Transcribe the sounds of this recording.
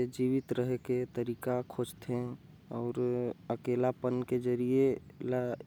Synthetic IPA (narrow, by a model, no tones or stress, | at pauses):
ed͡ʒiːʋɪt̪ɾəɦeket̪əɾiːkakʰod͡ʒt̪ʰe | ɔːɾəkeːlapənked͡ʒəɾiela